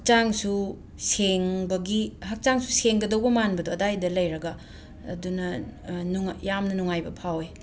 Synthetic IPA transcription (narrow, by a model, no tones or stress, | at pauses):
hk̚t͡ʃaŋsu | seŋbɐɡihɐk̚t͡ʃaŋsu̥seŋɡɐdɐwbɐmanbɐdoɐdajdɐlɐjɾɐɡɐ̰ː | dunɐnŋjamnɐnuŋajbɐpʰawe